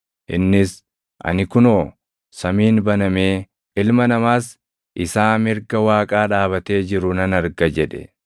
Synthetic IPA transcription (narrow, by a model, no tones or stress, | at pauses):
ʔɪ̰nːɪs | ʔɐ̰nɪkʊno̞ː | sɐmiːnbɐnɐme̞ː | ɪlmɐnɐmaːs | ʔɪsaːmɪɾɡɐwaːkʼaːᶑaːβɐt̪e̞ːd͡ʒɪɾʊnɐnɐɾɡɐd͡ʒɛᶑɛ̰